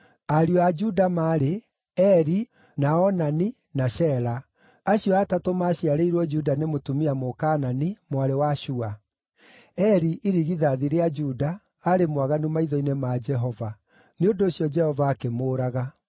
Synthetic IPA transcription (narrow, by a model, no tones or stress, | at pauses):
aɾjɔad͡ʒudamaːɾe | ɛɾi | naɔnani | naɕɛɾa | aɕuatatomaːɕiaɾeiɾwɔd͡ʒudanemotumiamokaːnanimwaɾewaʃua | ɛɾiʔiɾiɣiðaðiɾead͡ʒudaː | ɾemwaɣanumaiðɔinemad͡ʒɛɦɔva | neondoːɕjɔd͡ʒɛhɔvaːkemoːɾaɣa